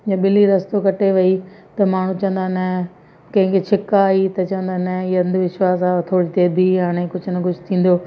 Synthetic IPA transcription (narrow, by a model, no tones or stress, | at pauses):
jɐ̃ɓɪliɾɐst̪okɐʈeʋɐit̪ɐmaːɳ̤ũt͡ɕɐ̃ə̃nd̪anɐ | kɐ̃ɦɪ̃ŋkʰet͡ɕʰɪkaːit̪ɐt͡ɕɐʋə̃nd̪anɐjɐ̃nd̪ʋɪʃwaːsaːt̪ʰoːɽit̪ebʱiɦaːɽ̃ekʊd͡ʑʰʱnɐɡʊd͡ʑʱɪt̪ʰĩːn̆d̪oː